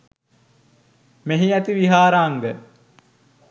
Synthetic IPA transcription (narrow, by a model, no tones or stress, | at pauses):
meɦiæt̪iʋiɦaːɾaːŋɡə